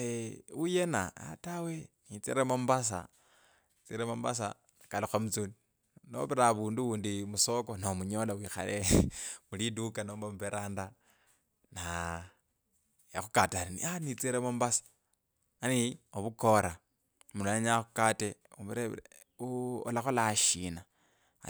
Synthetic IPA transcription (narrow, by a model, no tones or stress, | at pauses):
eujena̰a̰tawenit͡sḭɾemombas̬a̰ | it͡siɾemomba̰s̬a | kalixwamut͡suni | no̰βiɾaβuːnduwuːndimuso̞ko̞nomuɲolawixa̰lemulidukanoːmbamupeɾaːnda | na | jaxukataalinḭanit͡siɾemombasḁ | anioβuko̞ɾa | mulonaɲaxukate | uβiɾe | uo̰laxolaʃina